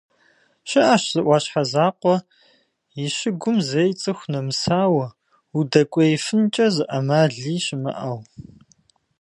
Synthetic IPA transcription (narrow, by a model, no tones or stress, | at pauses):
ɕɪʔaʃz̥ɨʔʷɑːɕħazaːqʷɔ | jiʃɪɡʷʊmzɐjt͡sʼɨxʷnɐmɨsaːwɐ | udɐkʷʼɔjfɨnt͡ʃʼɐzɨʔɐmaːɮiːɕɪmɐ̰ʔɐw